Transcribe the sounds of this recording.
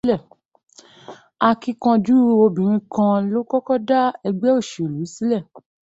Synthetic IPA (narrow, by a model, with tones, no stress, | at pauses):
lɛ˦˨ | a˧ki˧kã˧d͡ʒu˦˧o˧bĩ˨ɾ̃ĩ˧kã˧lo˦kɔ˦kɔ˦da˦ɛ˧ɡ͡bɛ˦o˦˨ʃe˨o˨lu˨˦i˦si˦lɛ˦˨